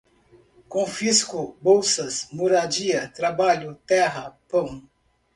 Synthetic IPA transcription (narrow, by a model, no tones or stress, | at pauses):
kõfiskʊbowsɐsmoɾad͡ʒiɐt̪ɾabaʎʊt̪ɛɦɐpɐ̃w̃